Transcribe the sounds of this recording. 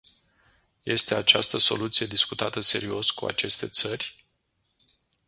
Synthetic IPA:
je̞st̪e̞at͡ʃast̪əso̞̰lut̪sije̞d̪iskut̪at̪əse̞ɾio̞skua̰t͡ʃe̞st̪e̞t̪sərʲ

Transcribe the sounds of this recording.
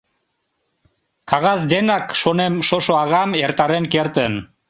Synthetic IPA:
kɑɣɑzd̪enɑkʃonemʃoʃoɑɣɑmeɾt̪ɑɾenkeɾt̪ən

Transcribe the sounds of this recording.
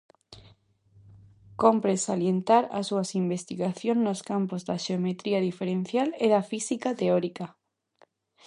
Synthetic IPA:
kompɾesaljent̪aɾa̰suasimbest̪iɣaθjõŋnoskampozd̪aʃeomet̪ɾiaðifeɾẽn̟θjaleðafisikat̪eoɾika

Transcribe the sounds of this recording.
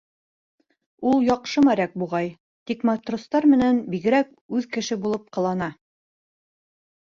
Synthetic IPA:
ulˠjɒqʃɤmæɾæk̚buʁɑj | t̪ikmɑt̪rost̪ɑɾmɘ̆nænbiɡɘ̆ɾæk̚ | ʉðkɘ̆ʃɘbulˠɤp̚qɤ̆lˠɑnɑ

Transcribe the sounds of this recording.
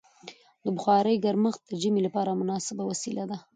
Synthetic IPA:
d̪əbʊxɑɾəjɡaɾməx̚d̪əʒəmelapɑɾamʊnɑsɪbawasilad̪a

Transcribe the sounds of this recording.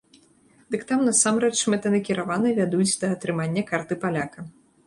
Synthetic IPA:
d̪̥ɨkt̪amnɐsamɾɛt͡ʂmɛt̪ɐnɐkʲiɾavanɨvʲad̪ut͡sʲd̪ɐːt̪ɾɨmanʲːɐkart̪ɨpalʲakɐ

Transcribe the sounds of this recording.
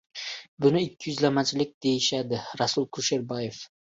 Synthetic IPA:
bʊnɪɪkʲʰːɪjʏzlamat͡ʃʰɪlɪk̚ʲd̪e̞jɪʃad̪ɪɾasʊlˠkʰʊʃɪɾbɒjef

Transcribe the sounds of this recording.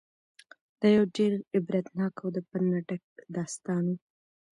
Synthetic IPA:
d̪̥ɑjawɖeɾɪbɾad̪nɑkawd̪əpanaʈək̚d̪ɑst̪ɑnu

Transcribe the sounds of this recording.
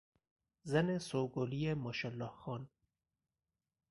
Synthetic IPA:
zanesoɡolijemɔʃɔlːɔːhxɔːn

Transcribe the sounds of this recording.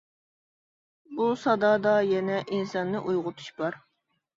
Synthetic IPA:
busɑd̪ɑːd̪ɑjɛnɛʔinsɑnːɨʔujʁʊt̪ʰu̥ʃbɑɾ

